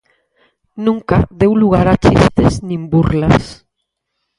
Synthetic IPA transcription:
nũŋkaðewluɣaɾat͡ʃḭst̪eznĩmbuɾla̰s

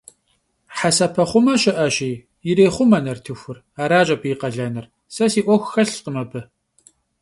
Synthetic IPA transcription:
ħasɐpʰɐχʷʊmɐɕɪʔɐɕiː | jɪɾeːχʷʊmɐnɐrtʰɨxʷʊr | aːɾaːt͡ʃʼɐpʰiːqɐɮɐnɨr | sɐsiːʔʷɔxʷxɐɬqəmɐbɨ

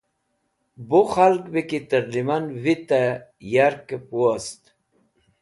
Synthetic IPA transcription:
boχalkbekit̪əɾlimanvit̪ajaɾkepuost̪

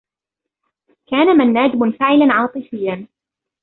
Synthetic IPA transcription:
kaːnamanːaːd̪ɪmʊnfaʕɪlanʕɑːt̪ˤɨfɪjːan

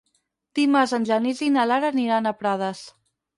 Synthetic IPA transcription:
t̪imazənʲʒanizinalaɾaniɾanapɾað̞əs

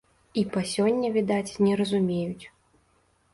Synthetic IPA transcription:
ipasʲɔnʲːɐvʲid̪at͡sʲnʲɛɾɐzumʲejut͡sʲ

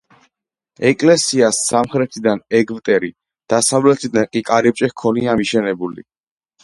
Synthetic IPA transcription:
ɛkʼlɛsiasːamχɾɛt̪ʰid̪anɛɡvt̪ʼɛɾi | d̪̥asavlɛt̪ʰid̪ankʼikʼaɾip̚t͡ʃʼɛkʰɔniamiʃɛnɛbulḭ

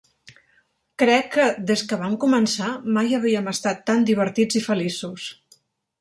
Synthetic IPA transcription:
kɾɛkːəd̪ezkəβ̞amkumənsamajəβ̞iəməst̪at̪ːand̪iβəɾt̪id͡zifəlisus

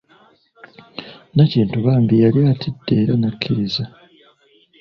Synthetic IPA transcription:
naciːntuβaːmbijaljaːtʰidːeːɾanakʰːiiza

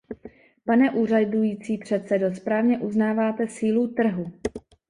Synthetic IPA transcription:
panɛʔuːradujiːt͡siːpr̝̥ɛt̪sɛdospɾaːvɲɛʔuznaːvaːt̪ɛsiːlut̪r̩ɦu

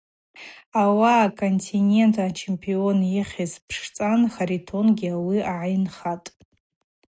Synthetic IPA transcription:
awaːkʰʼontʰinʲe̞ntʰat͡ʃʰe̞mpʼionjiχʲizpʰʂt͡sʼanχaɾitʰo̞nɡʲiawiaʕajnχatʼ

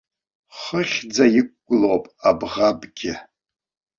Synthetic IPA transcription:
χəχʲd͡zajɪkʷʼɡʷʊlowpʼabʁabɡʲɪ

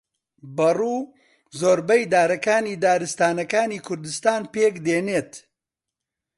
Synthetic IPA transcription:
bɐruː | zoːɾbɐjd̪aːɾɐkaːniːd̪aːɾɨst̪aːnɐkaːniːkʰʊɾd̪ɨst̪aːnpeːkd̪eːneːt̪

